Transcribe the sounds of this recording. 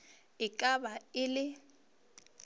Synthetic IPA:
ɪkʼabaɪlɪ

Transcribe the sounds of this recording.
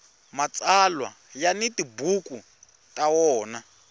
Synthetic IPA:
mat͡sʼalwa̰ | janitibuku | tʼawɔːna

